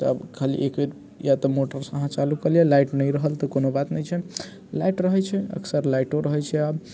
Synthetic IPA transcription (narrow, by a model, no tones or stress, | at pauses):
t̪ɔəbkʰalḭʔeket̪ | jat̪ɔmoʈəɾsə̃ɦãt͡ʃalukəljelaiʈnəjɾəɦəlt̪ɔkonobat̪nəjt͡ʃʰɛ | laiʈɾəɦɛt͡ʃʰɛə̰kʰsəɾlajʈoɾəɦɛt͡ʃʰɛab